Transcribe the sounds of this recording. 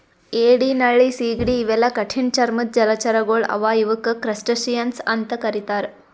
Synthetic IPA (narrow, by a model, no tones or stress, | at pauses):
eɽinaɭisiɡɽiːʋelakəʈʰiːnt͡ɕaɾmət̪̚d͡ʑɐlat͡ɕaɾəɡoɭɐ̰ʋajuʋəkəkɾəsʈəɕijənsant̪əkəɾit̪aɾ